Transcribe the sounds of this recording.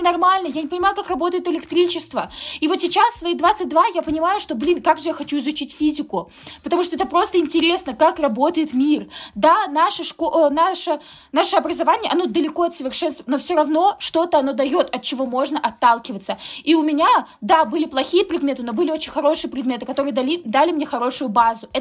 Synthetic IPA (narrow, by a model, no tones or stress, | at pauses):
nɐrmalʲnəjanʲɪpənʲɪmajʊkakrɐbo̞t̪əɪt̪ɪlʲɪkt̪ɾʲit͡ɕɪst̪vəivo̞t̪sʲɪt͡ɕassːvɐid̪vat̪sɨt̚ʲd̪vajapənʲɪmajʊʂt̪o̞blʲinkaɡʐɨjaxɐt͡ɕuɪzʊt͡ɕitʲfʲizʲɪkʊ | pət̪ɐmuʂt̪oɛt̪əpɾo̞st̪əɪnʲtʲɪɾʲe̞snəkakrɐbo̞t̪əjɪt̪mʲird̪anaʂəʂkonaʂə | naʂəɐbɾəzɐvanʲɪjəʔɐno̞d̪əlʲɪko̞ɐt̪səvʲɪrʂɛnst̪vəno̞fsʲo̞ɾɐvno̞ʂt̪o̞t̪əɐno̞d̪ɐjo̞t̪ɐt̪̚t͡ɕɪvo̞mo̞ʐnəʔɐt̪ːalˠkʲɪvət̪səiʊmʲɪnʲad̪abɨlʲɪplˠɐxʲijəpɾʲɪd̪mʲe̞t̪ɨno̞bɨlʲɪo̞t͡ɕɪnʲxɐɾo̞ʂɨjəpɾʲɪd̪mʲe̞t̪ɨkɐt̪o̞ɾɨjəd̪ɐlʲid̪alʲɪmnʲe̞xɐɾo̞ʂʊjʊbazʊɛ